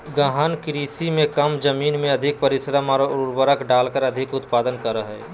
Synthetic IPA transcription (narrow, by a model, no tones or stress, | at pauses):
ɡəɦənkɪɾiːsimẽkɐmd͡ʒəmiːnmẽɐd̪ʱɪk̚pəɾɪsəɾəmaɾuɾbəɾəkɖaːlkəɾɐd̪ʱɪkʊt̪paːd̪ənkəɾəɦɛː